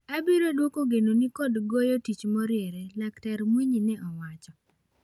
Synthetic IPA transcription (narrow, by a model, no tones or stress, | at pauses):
abiɾodwokoɡenonikɔdɡojɔtit͡ʃmɔɾɪeɾɛlaktɛɾmwiɲinɛʔɔwat͡ʃɔ